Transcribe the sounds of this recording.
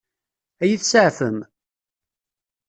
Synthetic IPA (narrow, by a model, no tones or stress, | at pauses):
æjiθsəʕfəm